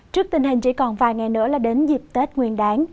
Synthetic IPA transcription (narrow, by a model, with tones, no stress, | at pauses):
t͡ɕɨ˦˥ək̚t̪ï˨˩ŋ̟ɦi˨˩ŋ̟t͡ɕḭ˧˥kɔ˨˩nvaː˨˩jŋa˨˩jnɨ̰˧˥laː˨˩ɗe˨˦nzi˨˩p̚t̪e˦˥t̚ŋwi˨˧˩ənɗaː˨˦ŋ